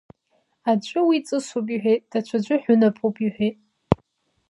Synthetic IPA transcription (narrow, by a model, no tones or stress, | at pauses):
ad͡ʒʷʼʊwit͡sʼɨsopʼiħʷᶣejt̚ʼd̥at͡ɕʷʰad͡ʒʷʊħʷᶣʊnapʼupʼiħʷᶣejtʼ